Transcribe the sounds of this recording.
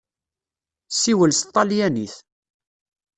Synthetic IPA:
sːiwəlst̪ˤːɑljæniθ

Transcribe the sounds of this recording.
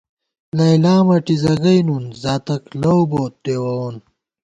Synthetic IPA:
lɐjlaːmɐʈizɐɣɐjnunzaːt̪ɐklɐwboːt̪̚ːeːwɐon

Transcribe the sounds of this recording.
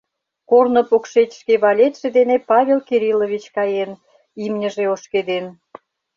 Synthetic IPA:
kornŏpokʃet̪ʲʃkeβɑlʲet̪ʲʃĕd̪enepɑβʲelkeɾiloβʲit͡ɕkɑjen | imnʲə̆ʒeoʃked̪en

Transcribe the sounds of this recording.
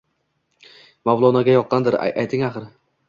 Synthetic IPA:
mawlˠɒnaɡʲajɒqʰːɑnd̪ɪɾ̰ajt̪ʰɪŋaχɨɾ

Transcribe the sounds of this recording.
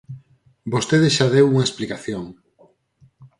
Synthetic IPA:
bost̪eðesʃaðewuŋɐesplikaθjoŋ

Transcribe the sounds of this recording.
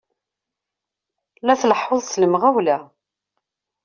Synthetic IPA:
læθləħːoðˤsləmʁæwlæ

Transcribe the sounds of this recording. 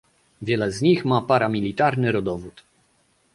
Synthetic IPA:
vʲjɛlɛzɲixmapaɾamʲilʲit̪aɾnɘɾɔd̪ɔvut̪

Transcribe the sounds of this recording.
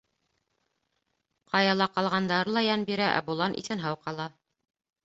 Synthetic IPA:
qɑjɑlˠɑqɑlˠʁɑnd̪ɑɾlˠɑjɑnbiɾæʔæ̰bulˠɑnʔḭθɘ̆nɦɑwqɑlˠɑ

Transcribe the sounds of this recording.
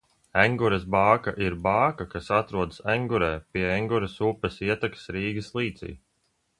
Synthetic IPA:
æŋɡuɾɛsbaːkaʔiɾbaːkakasat̪ɾuɔd̪sæŋɡuɾɛːpʲiɛɛŋɡuɾesuːpɛsiɛt̪aksɾiːɡɨslˠiːt̪sḭː

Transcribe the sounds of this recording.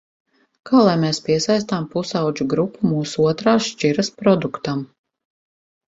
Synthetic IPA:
kaːlˠajmeːspʲiɛsajst̪ampusawd͡ʒuɡɾupʰːumuːsuuɔt̪ɾaːsʃt͡ʃiɾɐspɾɔd̪ukt̪am

